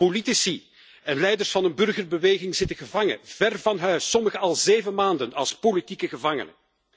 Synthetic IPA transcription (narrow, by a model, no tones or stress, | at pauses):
politisi | ɛnlɛjdərsfɑnənbɵrɣərbəʋeːɣɪŋzɪtəɣəvɑŋə̰v̥ɛrvɑnɦœɥsːɔməɣəɑlˠzeːvəmaːndənɑ̰lˠspolitikəɣəvɑŋə̰nə̰